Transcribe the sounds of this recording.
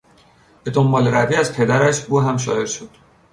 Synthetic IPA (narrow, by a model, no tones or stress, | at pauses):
b̥e̞d̪o̞mbɒːleɾæviːæzpʰe̞d̪æɾæʃuːɦæmʃ̬ɒ̰ːe̞ɾʃod̪̥